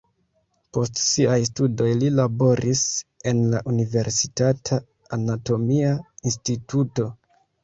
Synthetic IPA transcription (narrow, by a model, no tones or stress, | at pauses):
po̞stsiajs̬tudo̞jlilabo̞ɾʔise̞nlaʔunive̞ɾsi̥tatʰa | anato̞miainstitʰuto̞